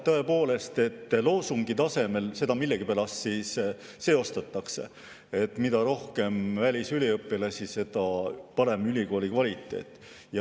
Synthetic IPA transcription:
t̪ɤe̞po̞ːle̞st̪e̞t̪ːlo̞ːsuŋɡ̥it̪ɑse̞me̞lse̞d̪ɑmilːe̞ɡ̥ipelɑssiːsː | e̞o̞st̪ɑt̪ːˑɑkse̞̰ | e̞t̪ːˑmid̪ɑɾo̞hke̞mvælʲisylʲiɤpːˑilɑsise̞d̪̥ɑpɑɾe̞mylʲiko̞ːlʲikvɑlʲit̪ːˑe̞̰ːt̪ːˑ | jɑ

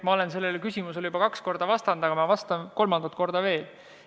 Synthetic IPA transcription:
mɑo̞lense̞lːelkysʲimuseljubɑkɑksko̞rd̪ɑvɑst̪ɑnd̪ɑkɑmɑvɑst̪ɑnko̞lmɑnd̪ɑt̪ˑko̞rd̪ɑve̞ːl

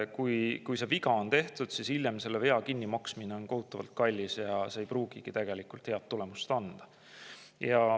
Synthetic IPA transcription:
kujkujseviɡɑont̪e̞ht̪ud̪̥sisiljemse̞lːeve̞ɑkinːimɑksmine̞o̞nko̞ɦut̪ːˑɑvɑ̰lt̪̚kɑlʲːisjɑseːjpɾuːɡ̥iɡ̥it̪æɡ̥e̞likult̪he̞ɑt̪ːule̞must̪ɑnd̪̥ɑ̥ | jɑ

